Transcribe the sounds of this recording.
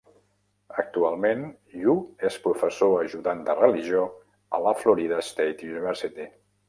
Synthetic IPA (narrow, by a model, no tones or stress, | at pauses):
ək̚t̪ualˠmen | ʎuespɾufəsoəʒuðand̪ərəliʒio | ə̰ləfluɾiðəst̪ejt̪juniβɛɾsit̪i